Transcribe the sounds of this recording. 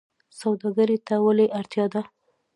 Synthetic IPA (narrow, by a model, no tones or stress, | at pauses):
sawd̪ɑɡaɾet̪awaleʔaɾt̪jɑd̪a